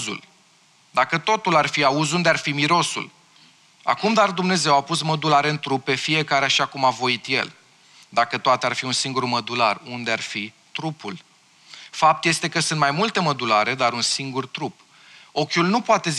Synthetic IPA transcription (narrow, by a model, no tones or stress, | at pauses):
zṵl | d̪akət̪o̞t̪ularfiauzund̪earfimiɾo̞sṵl | a̰kumd̪ard̪umne̞ze̞wapusməd̪ulaɾeɨnt̪ɾupe̞fije̞kaɾeaʃiakumavo̞it̪je̞̰l | d̪akət̪oat̪earfiunsiŋɡurməd̪ularund̪earfi | t̪ɾupul | fap̚t̪je̞st̪e̞kəsɨnt̪majmult̪e̞məd̪ulaɾe̞d̪aɾunsiŋɡurt̪ɾup | o̞kʲulnupoat̪e̞z